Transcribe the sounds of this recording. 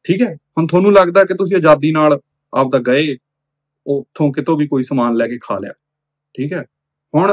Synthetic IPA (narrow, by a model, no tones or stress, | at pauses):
ʈʰiːkɦɛːhʊɳt̪ʰoːnũːləɡd̪aːɛːkɪt̪ʊs̬ĩːad͡ʒaːd̪iːnaːl | a̰p̚d̪aːɡəeː | ot̪ʰːõːkɪt̪õːʋiːkoːiːsəmaːnlɛːkeːkʰa̰ːlja̰ː | ʈʰiːkɦɛː | hʊɳ̃